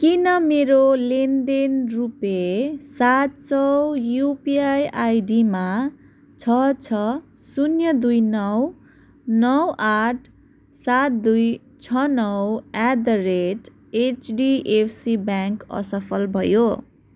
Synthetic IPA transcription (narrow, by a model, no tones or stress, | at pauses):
kinʌmeɾolend̪enrupesat̪̚t͡sʌwjupiajajɖima | t͡sʰʌt͡sʰʌ | sunjʌd̪ujnʌw | nʌwaʈʰ | sat̪̚d̪uj | t͡sʰʌnʌwad̪ʌreʈ | et͡ʃɖiʔepʰsibaŋkʌ̰sʌpʰʌlbʱʌjo